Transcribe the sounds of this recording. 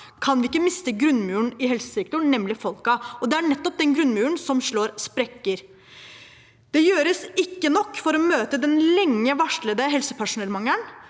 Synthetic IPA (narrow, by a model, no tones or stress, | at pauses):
kʰɑnʋɪɪkːəmɪst̪əɡɾʉnːmʉːɳɪɦɛlsə̥sɛk̚t̪ʊnnɛmlɪfɔlkɑɔd̪ɛæɳɛt̪ːɔp̚d̪ɛnɡɾʉnːmʉːɳsɔmʂɭoːɾspɾɛkːəɾ | d̪̥ɛjøːɾəsɪkːənɔkːfɔɾɔmøːt̪əd̪ɛnlɛŋːəʋɑʂɭəd̪əɦɛlsəpʰæʂʊnɛlmɑŋːən